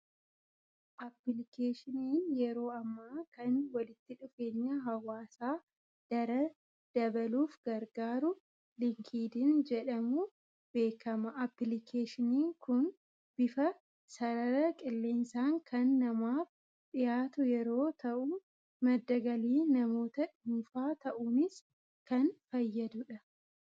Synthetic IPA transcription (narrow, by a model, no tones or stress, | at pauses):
ʔɐpːlɪkeːʃɪniːnjɛɾo̞ːɐmːaːkɐnwɐlɪt̪ːɪᶑʊfe̞ːɲːaɦɐwaːsaː | d̪̥ɐɾɐ | d̪̥ɐbɐluːfɡɐɾɡaːɾʊ | lɪŋkʰiːd̪ɪnd͡ʒɛᶑɐmu | b̥e̞ːkʰɐmɐʔɐpːɪlɪkʰeːʃɪniːŋkʊn | b̥ɪfɐ | sɐɾɐɾɐkʼɪlːeːnsaːŋkʰɐnːɐmaːf | ᶑɪjaːt̪ʊjɛɾo̞ːt̪ɐʔʊ | mɐd̪ːɐɡɐliːnɐmo̞ːt̪ɐᶑʊunfaːt̪ɐʔuːnɪs | kɐnfɐjːɐd̪ʊᶑɐ